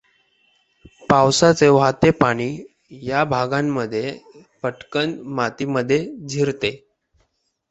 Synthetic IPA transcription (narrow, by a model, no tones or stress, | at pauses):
pawsat͡seʋat̪epaɽ̃iː | jabʱaɡãmːəd̪ʱːje | pəʈkənmat̪iməd̪ʱːjed͡zʱiɾt̪e